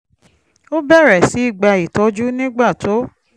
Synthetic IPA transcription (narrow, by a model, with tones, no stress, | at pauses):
o˦bɛ˦˨ɾɛ˨si˨˦i˦˨ɡ͡ba˧i˨tɔ˨˦d͡ʒu˦nĩ˦ɡ͡ba˦˨to˨˦